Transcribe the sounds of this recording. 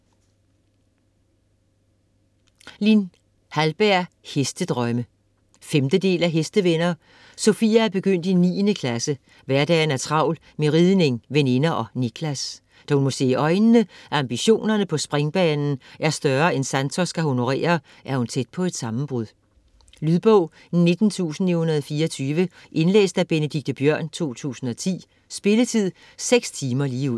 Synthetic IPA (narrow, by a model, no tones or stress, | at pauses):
lin | hælb̥æɐ̰ | hesd̥əd̥ʁœmə | femd̥əd̥e̝̰ːlæɦesd̥əʋenɐː | sofḭːææb̥e̝ɡ̥øn̰d̥inḭːnəkʰlæsə | ʋæɐd̥ɛ̰ːnæɐt͡sʰʁɑ̈ʊ̰l | meʁiðˠne̝ŋʋene̝nɐʔɒ̽nikʰlæs | d̥æhunmo̽se̝̰ːʔɒ̽ɪnəːəʔɑ̈mb̥iɕo̝̰ːnɐnəpʰɒ̽sb̥ʁeŋb̥ɛːnn̩ʔæɐsd̥ɶɐːensænt͡sʰɒsɡ̥æhono̝ʁḛːɐ | ʔæɐhunt͡sʰed̥̚pʰɒ̽e̝d̥sɑ̈mm̩b̥ʁuðˠ | lyðˠb̥ɔʊ̰ | ne̝d̥n̩t͡sʰṵːsn̩ihunɐðˠfiːɐɒt͡sʰyːʋəʔe̝nlḛːsd̥æb̥e̝nəd̥iɡ̥̚d̥əb̥jœɐ̰nt͡sʰo̝̰ːt͡sʰṵːsn̩ɒ̽t͡sʰḭː | sb̥e̝lət͡sʰið̞̰ˠ | seɡ̥st͡sʰiːmɐliːuð̰ˠ